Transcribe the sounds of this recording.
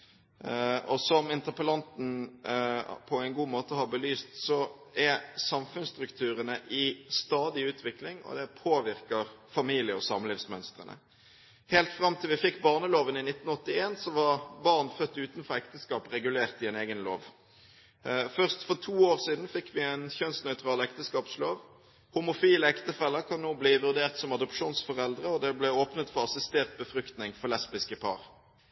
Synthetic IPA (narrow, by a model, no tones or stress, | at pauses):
ɔsɔmɪnt̪əʁpəlɑnt̪n̩ | pʰɔæɪnɡuːmoːt̪əhɑbəlyːst̪sɔæsɑmfʉnst̪ʁʉkt̪ʰʉːɾənəʔɪst̪ɑːd̪ɪʉːt̪ʰʋɪklɪŋɔ̰d̪ɛpʰoːʋɪʁkəʁ | fɑmiːlɪəɔsɑmlɪːʋsmœnst̪ʁə̰nə̰ | hɛːlt̪fʁɑmt̪ʰɪlʋɪfɪkːbɑːʁnəloːʋənɪnɪt̪n̩ɔt̪ːɪeːnsɔʋɑɾbɑʁnfœt̪ːʉːt̪nfɔʁɛkt̪əskɑːpʁɛɡʉleːʁt̪ɪɛːneːɡənlo̰ːʋ | fœʁst̪fɔʁt̪ʰuːoːʁsiːd̪n̩fɪkːʋɪæɪnçœnsnœʏt̪ʁɑːlɛkt̪əskɑːpsloːʋ | hʊmʊfiːləɛkt̪əfɛlːəkʰɑnːoːbliːʋʉʁd̪eːʁt̪sɔmɑd̪ʊpʂuːnsfɔʁɛld̪ʁəɔd̪ɛblɛoːpnət̪fɔʁɑsɪst̪eːʁt̪̚bəfɾʏkt̪nɪŋfɔlɛspɪskəpʰɑ̰ːʁ